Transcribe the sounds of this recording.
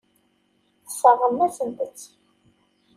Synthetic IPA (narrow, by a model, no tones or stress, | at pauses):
səʁəmːæsənt̪ət͡sː